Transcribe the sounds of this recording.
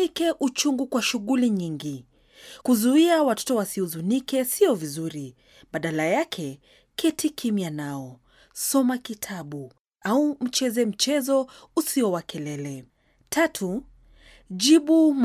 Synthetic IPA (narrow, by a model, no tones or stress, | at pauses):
ikɛʔut͡ʃuŋɡukwaʃuɣuliɲiŋɡi | kuzuiawatɔ̥tɔwasiuzunikɛsiɔvizuɾi | ɓaɗalajakʰɛ | kʰɛtʰikʰimianaɔ | sɔmakitʰaɓu | aum̩t͡ʃɛzɛm̩t͡ʃɛzɔusiɔwakʰɛlɛlɛ | tʰatʰu | ʄiɓum